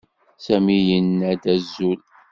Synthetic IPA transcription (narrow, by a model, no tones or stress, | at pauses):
sæmijənːæd̪æzːul